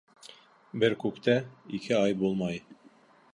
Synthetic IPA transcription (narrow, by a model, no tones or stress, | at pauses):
bɘɾkʉkt̪æikʰɘɑjbulˠmɑj